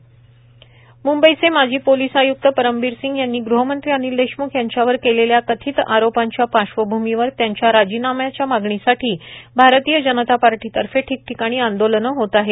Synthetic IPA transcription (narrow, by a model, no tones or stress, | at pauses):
mumbəjt͡semad͡ʑʱiːpolisajuk̚t̪əpəɾəmbiɾsiŋɡjanːiːɡɾuɦəmənt̪ɾianiɾd̪eɕmukʰjaɲt͡ɕjaʋəɾkeleljakət̪ʰiːt̪aɾopaɲt͡ɕjapaɕʋəbʱumiʋəɾt̪jaɲt͡ɕjaɾad͡ʑiːnamjat͡ɕjamaɡɳisaʈʰiːbʱaɾt̪iːjəd͡ʑənət̪apaɾʈit̪əɾfeʈʰiːk̚ʈʰikaɽ̃iːand̪olənəɦot̪aɦe